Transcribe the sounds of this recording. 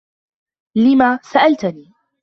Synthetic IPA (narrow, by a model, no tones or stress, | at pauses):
lɪmaːsaʔalt̪niː